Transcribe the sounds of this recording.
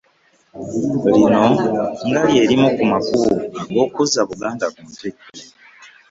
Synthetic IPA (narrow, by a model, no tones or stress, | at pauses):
linoŋɡaɾjeɾimokumakuɡokuzaβuɡaːndakuutek